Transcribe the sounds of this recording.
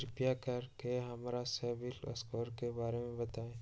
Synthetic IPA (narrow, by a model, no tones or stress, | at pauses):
ɾɪpijakɐɾkeɦɐmaɾasɛːbɪlɐ̰skoːɾkebaːɾemẽbɐt̪aːẽː